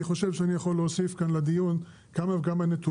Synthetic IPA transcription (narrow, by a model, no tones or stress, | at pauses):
iχo̞ʃevʃeanijaχo̞lːeosifkanlad̪ijun | kamaveɡamanet̪u